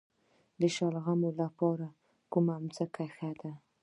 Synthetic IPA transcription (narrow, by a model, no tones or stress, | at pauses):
d̪əʃalɣamolapɑɾa | kumaːmt͡səkaxad̪a